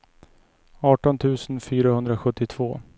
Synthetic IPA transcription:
ɑːʈɔnt̪ʰʉ̟ːsənfyːɾahɵnd̪ɾaɧɵt̪ːɪt̪ʰv̥oː

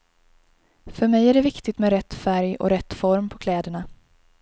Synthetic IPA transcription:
fœɾmɛjæɖɛvɪkt̪ɪt̪mɛɾɛt̪ːfæɾjɔ̰ɾɛt̪ːfɔɾmpʰɔkʰlɛːd̪əɳa

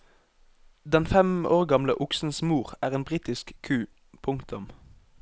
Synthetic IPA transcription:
d̪ɛnfɛmoːʁɡɑmləʔʊksn̩smuːʁæːʁeːnbʁiːt̪ɪskkʰːʉː | pʰʊŋkt̪ʊm

